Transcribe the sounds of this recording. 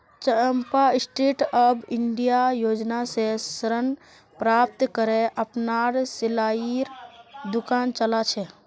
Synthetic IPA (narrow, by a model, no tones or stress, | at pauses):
t͡ʃəmpaɪsʈeːʈəbɪɳɖijajoːd͡ʒnasesəɾən | pɾaːp̚t̪kəɾeʔəpnaɾsɪlaːiɾd̪ʊkaːnt͡ʃəlat͡ʃʰɛ